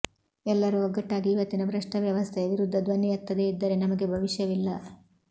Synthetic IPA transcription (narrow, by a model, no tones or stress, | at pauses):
ɛlːɐɾuɔɡɐʈːaːɡiːʋɐt̪ːinɐbɾɐʂʈɐʋjɐʋɐst̪ʰeɐʋiɾud̪ʱːɐd̪ʋɐnːiɐt̪ːɐd̪e̞id̪ːɐɾe̞nɐmɐɡe̞bʱɐʋiʃjɐʋilːɐ